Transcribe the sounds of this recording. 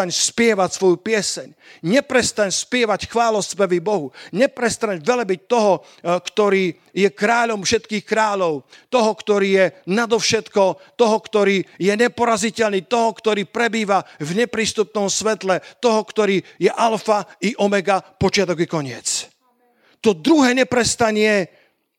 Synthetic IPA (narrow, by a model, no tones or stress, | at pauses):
aɲspɪɛʋacsʋɔjupɪɛsɛɲ | ɲɛpɾɛst̪aɲspɪɛʋacxʋaːlɔsspɛʋibɔɦuɲɛpɾɛst̪aɲʋɛlɛbic̚t̪ɔɦɔ | kt̪ɔɾiː | jɛkɾaːʎɔmfʃɛt̪kiːxkɾaːʎɔʊt̪ɔɦɔkt̪ɔɾiːjɛnad̪ɔfʃɛt̪kɔt̪ɔɦɔkt̪ɔɾiːjɛɲɛpɔɾazicɛlniːt̪ɔɦɔkt̪ɔɾiːpɾɛbiːʋavɲɛpɾiːst̪up̚nɔmsʋɛt̪lɛt̪ɔɦɔkt̪ɔɾiːjɛʔalfaiʔɔmɛɡapɔt͡ʃɪat̪ɔɡikɔɲɪɛt͡s | t̪ɔd̪ɾuɦɛːɲɛpɾɛst̪aɲɪɛ